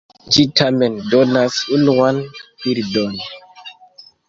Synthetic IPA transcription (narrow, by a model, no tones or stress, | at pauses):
d͡ʒitʰamendonasunuanpiɾdon